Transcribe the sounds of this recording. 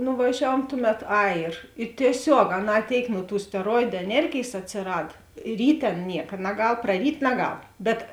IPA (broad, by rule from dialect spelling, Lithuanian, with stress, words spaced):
nʊʋɐˈʒʲæːʋuɔm ˈtʊˌmʲɛt ˈɐɪ ɪr ɪ tʲiɛˈsʲoːk ɐˈnɑː ˈtʲeːɪk nʊ tuː sʲtʲɛˈroːɪdʊ ɛˈnʲɛrʲɡʲeːjs ɐtʲsʲɪˈrɐt ˈrʲiːtʲeː ˈɐn ˈnʲiɛkɐ nɐˈɡɐlˠ prɐˈrʲiːtʲ nɐˈɡɐlˠ bʲɛt